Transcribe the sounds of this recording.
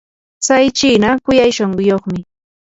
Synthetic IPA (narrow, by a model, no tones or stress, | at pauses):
t͡sajt͡ʃiːnakʊjajʃoɴɢʊjoχmɪ